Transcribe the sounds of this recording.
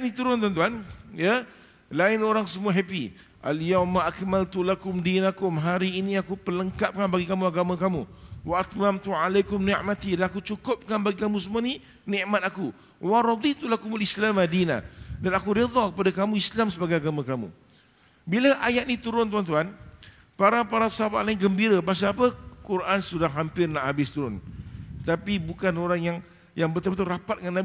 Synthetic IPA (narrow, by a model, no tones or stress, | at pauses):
ʔnĩt̪uɾʊnt̪̬uant̪uanja | laɪnoɾaŋsəmuaɦapḭ | ʔa̰ljawmaʔakmalt̪ulakʊmdinakʊmɦaɾiːnĩakupələŋkap̚kanbaɡikamũaɡamãkamuwaat̪mamt̪uʕalajkʊmniʔmat̪idanakut͡ʃukʊp̚kanbaɡikamũs̬əmuani | nĩʔmat̪̚aku | waɾɑd̪it̪ulakumulislamadina̰danakuɾid̪ˤɔkəpadakamũislamsəbaɡajaɡamãkamṵ̃ | bilaʔajaʔ̪̚nĩt̪uɾʊnt̪̬uant̪uɦan | paɾapaɾasaɦaba̰ʔlainɡəmbiɾəpas̬aapəkuɾʔansudaɦampɪrnaʔhabɪst̪uɾʊnt̪apibukanoɾaŋjaŋ | jaŋbərt̪əbət̪uɾapat̪̚ŋanːab